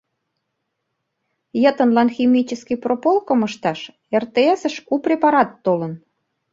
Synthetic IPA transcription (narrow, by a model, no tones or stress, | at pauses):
jət̪ə̆nlɑnximit͡ɕəskipropolkoməʃt̪ɑʃ | ert̪eesə̆ʃuprʲepɑɾɑt̪ːolən